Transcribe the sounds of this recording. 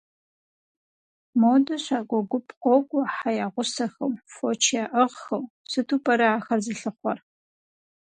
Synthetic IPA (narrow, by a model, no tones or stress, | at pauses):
modɐɕʷaːɡʷɔɡʷʊpʰqʷɔɡʷʼɔħajaːʁʷʊsɐxɐmfot͡ʃʰaʔəʁxɐw | sɨtʰuːpʰʼɐɾɐaːxɐrzɨɬɨχʷɔr